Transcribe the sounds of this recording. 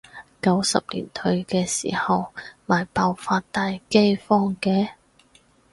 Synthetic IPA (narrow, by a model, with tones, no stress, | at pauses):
kɐ˨˥wsɐ̰˨p̚lḭː˨˩nt̪ʰɵ˧ɥkɛː˧siː˨˩hɐ˨wmaː˨˩jpaː˨˧wfaː˧t̚t̪aː˨jke˥jfɔː˥ŋkɛː˧˥